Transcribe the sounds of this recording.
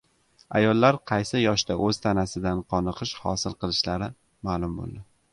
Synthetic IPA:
ajɒlˠːaɾqʰɑjsɪjɒʃd̪aʔɵz̥t̪ʰanasɪd̪anqʰɒnɨqʰɨʃhɒ̰sɪlˠqɨlˠɪʃlaɾɪ | maːlˠʊmbo̰lˠd̪ɪ

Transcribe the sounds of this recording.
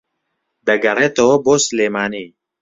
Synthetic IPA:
d̪ɐɡɐɾet̪oboːsleːmaːni

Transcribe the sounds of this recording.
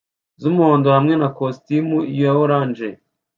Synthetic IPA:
zumuhoːndohamŋe̞nakostimuijojawoɾaːnd͡ʒe

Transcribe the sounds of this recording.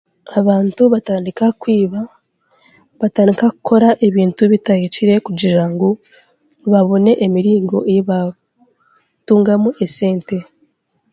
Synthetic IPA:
aβaːntuβataːndikakwiːβa | βataːndikaku̥kʰo̞ɾaʔe̞βiːntuβitajeciɾe̞kuɟiʒaŋɡo | βaβo̞ne̞ʔemiɾiːŋɡo̞̰ejiβa | tuːŋɡamuʔe̞se̞ːnte̞

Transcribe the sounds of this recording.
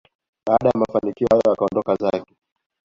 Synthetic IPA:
ɓaːɗajamafanikiɔhajɔjakaɔndɔkazakɛ

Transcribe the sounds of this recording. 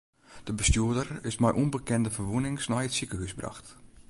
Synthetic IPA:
d̥əbəstjuədərɪsmɛjʔunbəkɛndəfərʋunɪŋsnɔjətsikəhysbra̰xt

